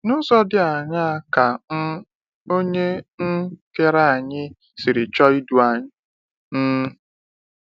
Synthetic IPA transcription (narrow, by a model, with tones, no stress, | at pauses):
nʊ˦zɔ˦dɪ˦a˨ɲa˦a˨ka˨n̩˦ | o˦ɲe˦ŋ̩˦ke˦ɾa˦a˨ɲɪ˦ | sɪ˨ɾɪ˨t͡ʃɔ˦i˦du˨a˨ɲɪ˦ | n̩˦